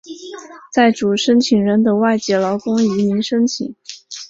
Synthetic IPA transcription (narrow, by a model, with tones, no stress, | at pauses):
t͡sa˥˩ɪʈ͡ʂu˨˩ʂə˥nt͡ɕʰi˨˩ŋɻə˧˥nd̪ə˨wa˥˧ɪt͡ɕjɛ˧˩lɑ˧˥ʊkʊ˥ŋi˧˥mi˧˥ŋʂə˥ŋt͡ɕʰḭ˨˩˦ŋ